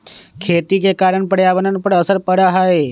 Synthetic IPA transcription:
kʰeːt̪ikekaːɾəɳ̃pəɽjaːbənənpəɽəsəɾpəɽaɦae

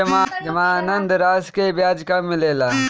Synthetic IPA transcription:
ɐmad͡ʒɐmaːnənd̪ɾaːskebjaːd͡ʒkamɪleːlaː

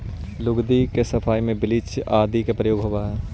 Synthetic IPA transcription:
lʊɡd̪ikesɐfʰaːimẽbɪlɪt͡ʃaːd̪ikepɾəjoːɡɦoːaɦɛː

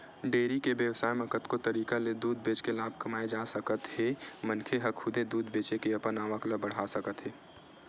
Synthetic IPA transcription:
ɖeːɾikebjəwsaːjməkət̪kot̪ɐɾiːkaled̪uːd̪̚beːt͡ʃkelaːb̚ʱkɐmaːed͡ʒaːsəkət̪hemənkʰeɦəkʰʊd̪ed̪uːd̪beːt͡ʃekeɐpənaːʋəkləbəɽ̤asəkət̪ɦeː

